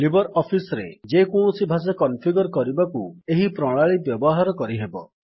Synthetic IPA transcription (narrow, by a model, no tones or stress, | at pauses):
libɔɾɔpʰisɔɾḛd͡ʒekũsibʱasekɔnpʰiɡɔɾkɔɾibakueɦipɾɔɭaɭibjɔbɔɦaɾɔkɔɾiɦebɔ̰